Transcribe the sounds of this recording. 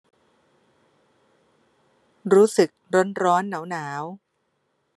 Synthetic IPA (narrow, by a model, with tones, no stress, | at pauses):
ɾuː˦˥sɯ˨˩k̚ɾo˦˥nɾɔː˦˥nːa˩˦wnaː˩˦w